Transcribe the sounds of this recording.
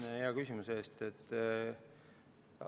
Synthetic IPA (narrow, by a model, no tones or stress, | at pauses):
heɑkysʲimuseːst̪e̞t̪ː